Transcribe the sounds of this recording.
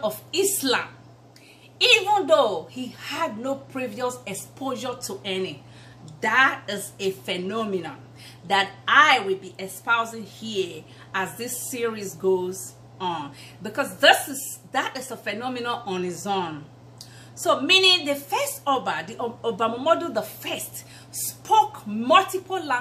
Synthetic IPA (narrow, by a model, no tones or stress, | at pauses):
ɔvislã̰m | ivə̃nðohihad̚ⁿnopʰɹiviɔsɛkspʰoʒətʰuʔɛni | ðatɪzefɛnɔmɪnə̃n | ðataɪwɪlˠbiʔɛkspaʊzɪ̃ŋhi | azðisiɹizɡoz | ɔ̃n | bikɔsðɪsɪsðaɾɪzəfɛnɔmɪnə̃nʔɔ̃nhizõn | somĩnĩŋðəfɛstɔbədiobamɔmɔdoðəfɜst | spʰokmʌltipl̩ˠla